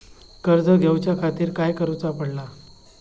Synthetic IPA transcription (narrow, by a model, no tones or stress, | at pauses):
kəɾd͡zəɡʱewt͡ɕjakʰat̪iːɾkajkəɾut͡sapəɽla